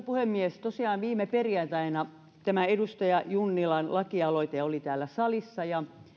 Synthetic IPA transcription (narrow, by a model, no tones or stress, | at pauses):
puhemːiest̪osiɑːnʋiːmeperiɑnt̪æinɑ | t̪æmæedust̪ɑjɑjunːilɑnlɑkiɑloit̪eolit̪æːlːæsɑlisːɑjɑ